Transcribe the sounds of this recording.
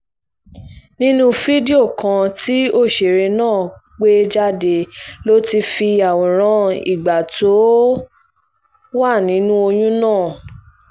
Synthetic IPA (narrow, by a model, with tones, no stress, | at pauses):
nĩ˦nũ˦fi˦di˦o˦˨kã˧ti˦o˦˨ʃe˨ɾe˧nãː˦˨k͡pe˦d͡ʒa˦de˧˨lo˦ti˧fi˧a˨o˨ɾ̃ã˧˦ḭ˨ɡ͡ba˨tʰo˨˦ | wa˦˨nĩ˨˦nũ˦o˧jũ˦nãː˦˨